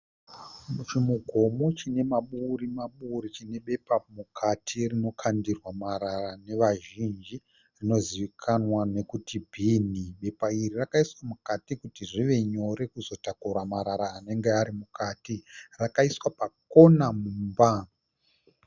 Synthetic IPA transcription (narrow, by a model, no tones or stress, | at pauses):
mut͡ʃimuɡʱo̞mo̞t͡ʃine̞maɓurimaɓurit͡ʃine̞ɓe̞pamukʰatʰirino̞kʰandirwamaɾarane̞ʋaʒind͡ʒi | rino̞ziʋikʰanwane̞kutʰibʱiːniɓe̞pairirakaiswamukatikutiʐiʋe̞ɲo̞ɾe̞kuzo̞takuramaɾaɾaːne̞ŋɡeaɾimukaːtirakaiswapakonamuːmba